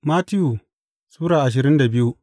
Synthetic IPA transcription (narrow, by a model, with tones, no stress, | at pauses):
ma˦tɪ˦juː˨ | suː˦ɽaː˨ʔa˨ʃ̬ɪ˨ɾɪ˦nda˨bɪ˦ju˦